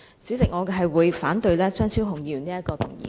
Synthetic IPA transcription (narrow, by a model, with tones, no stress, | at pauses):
siː˨˥wt͡sɪ˨k̚ŋɔː˨˧kɛ˧ɦɐ˨jwuː˨˧jfaː˨˥nt̪ɵ˧ɥlɛː˥t͡ʃœː˥ŋsʰiː˥wɦʊ˨˩ŋjiː˧ɥy˨˩niː˥ɐ˥t̚kɔː˧t̪ʰʊ˨˩ŋjḭː˨